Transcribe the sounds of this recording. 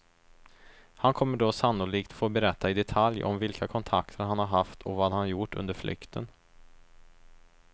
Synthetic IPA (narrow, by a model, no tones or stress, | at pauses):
hankʰɔmːəɖoːsanːʊliːkt̪foːbɛɾɛt̪ːaɪd̪ɛt̪ʰaljɔ̰mvɪlkʰakʰɔnt̪ʰakt̪ʰəɾhanhaɾɦaft̪ʰɔvaːd̪hanjʊʈːɵ̰nd̪əɾflʔʏ̰kt̪ʰə̰n